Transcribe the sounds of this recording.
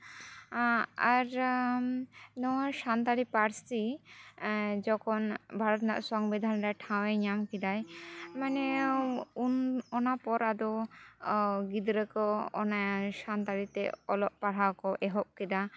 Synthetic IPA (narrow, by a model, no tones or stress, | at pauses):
aɾ | nɔasant̪aɾipaɾsi | d͡ʒɔkʰɔnbʱaɾɔt̪naʔsɔŋbid̪ʱanɾɛʈʰãwɛɲamkid̪ajmanɛ | unɔnapɔɾad̪ɔ | ɡid̪ɾəkɔːnasant̪aɾit̪ɛ̰ɔlɔʔ̚paɽ̤awkɔʔɛɦɔp̚kid̪a